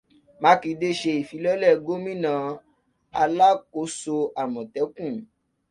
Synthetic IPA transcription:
mã˨˦ki˧de˦ʃe˧i˨fi˨˦lɔ˦lɛ˦˨ɡo˦mĩ˦nã˨˦ | a˧la˦ko˧˦so˧ʔa˨mɔ̃˨tɛ˨˦kũ˦˨

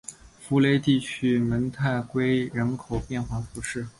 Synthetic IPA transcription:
fu˧˥le˥˧ɪt̪i˥˩t͡ɕʰy˥mə˧˥nt̪ʰa˥˩ɪkwe˥ɪɻə˧˥nkʰo˨˩ʊpjɛ˥˧nxwa˥˩fu˧˥ʂɻ̩˥˩

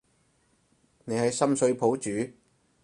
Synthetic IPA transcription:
ne˨˧jhɐ˨jsɐ˥msɵ˧ɥpʰo˨˥wt͡ʃyː˨˥

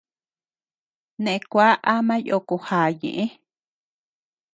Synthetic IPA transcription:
nẽ˨ẽ˧kʷa˦ʔa˦mã˦jo˧˨ko˧haː˨ɲḛ̃˨ʔẽ˦

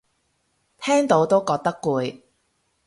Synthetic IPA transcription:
t̪ʰɛː˥ŋt̪o˨˥wt̪o˥wkɔː˧k̚t̪ɐ˥kːuː˨˧j

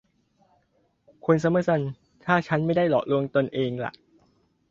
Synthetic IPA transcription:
kʰu˧nsa˧˦mɯ˥˩sa˧˩n | t̪ʰaː˥˩t͡ɕʰa˦˥nma˥˩jda˥˩jlɔ̰ː˨˩ʔ̚lu˧əŋt̪o˧nʔeː˧ŋla̰˨˩ʔ

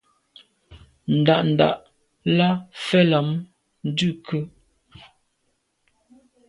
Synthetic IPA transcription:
n̩˨da˨ʔn̩˨da̰˨ʔ | la˦fɛ˦la˨˦m | n̩˦dʉ˦˨kʰə˦

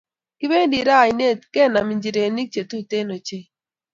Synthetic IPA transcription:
kɪ˦be˦ndi˨ɾa˦˨i˨ne˦˨tkɛ˦˨na˨mi˨ɲd͡ʒi˨ɾe˨ni˦k̚t͡ʃe˨tu˦te˦no˨t͡ʃe˦

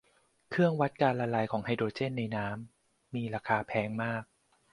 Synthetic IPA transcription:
kʰɯ˥˩əŋwa˦˥t̪̚kaː˧nlaː˧laː˧˩jkʰɔː˩˦ŋha˧jdoː˧˩t̪̚t͡ɕe˥˩nːa˧jnaː˦˥mː | iː˧ɾaː˧kʰaː˧pʰɛː˦˥ŋmaː˥˩k̚

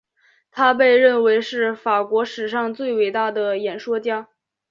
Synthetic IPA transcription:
t̪ʰa˥p̬e˥˧ɪɻə˥˩nwe˧˥ɪʂɻ̩˥˩fa˨˩kwɔ˧˥ʂɻ̩˨˩ʂ̬ɑ˥˧ŋt͡swe˥˩ɪwe˨˩ɪt̪a˥˩d̪ə˩jɛ˨˩nʂwɔ˥t͡ɕja˥˩

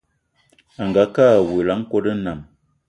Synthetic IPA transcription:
a˨ŋɡa˨˦ka˦˨we˨la˨˦ŋ˦ko˦də˦na˨m

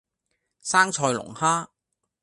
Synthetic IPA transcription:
saː˥ŋt͡ʃʰɔː˧jlʊ̰˨˩ŋhaː˥

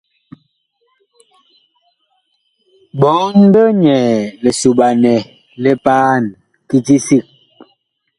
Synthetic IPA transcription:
bɔ˨˦ŋ˦bə˦ɲɛ˨le˨su˨ɓa˨nɛ˨ | lɛ˦paː˦n | ki˨ti˦si˦˨k̚

